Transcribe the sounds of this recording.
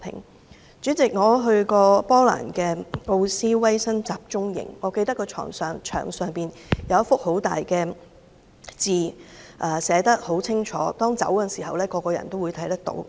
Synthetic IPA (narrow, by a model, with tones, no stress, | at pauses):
pʰɪ̰˨˩ŋ | t͡ʃyː˨˥t͡sɪ˨k̚ŋɔː˨˧ɦɵ˧ɥkɔː˧pɔː˥la̰ː˨˩nkɛː˧ŋo˧wsiː˥wɐ˥jsɐ˥nt͡saː˨˩p̚t͡ʃʊ˥ŋjɪ̰˨˩ŋːɔː˨˧ke˧jt̪ɐ˥kːɔː˧t͡ʃʰɔ̰ː˨˩ŋsœː˨˧ŋt͡ʃʰœ̰ː˨˩ŋsœː˨ŋpiː˨n | jɐ˨˧wɐ˥fʊ˥k̚ho˨˥wt̪a̰ː˨jkɛː˧ | t͡siː˨˩ʔɐː˨˩sɛː˨˥t̪ɐ˥k̚ho˨˥wt͡sʰɪ˥ŋt͡ʃʰɔ̰ː˨˥t̪ɔː˥ŋt͡sɐ̰˨˥wkɐ˧nsiː˨˩hɐ˨wlɛː˥kɔː˧kɔː˧jɐ̰˨˩nt̪o˥wuː˨˧jt̪ʰɐ˨˥jt̪ɐ˥k̚t̪o̰˧˥w